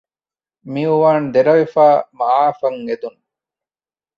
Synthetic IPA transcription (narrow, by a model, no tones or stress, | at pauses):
miuʋaːnd̪eɾɐʋefaːmaaːfɐŋed̪un